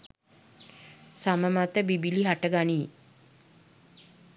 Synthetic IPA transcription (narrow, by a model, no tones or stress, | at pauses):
saməmat̪əbibiliɦaʈəɡaniː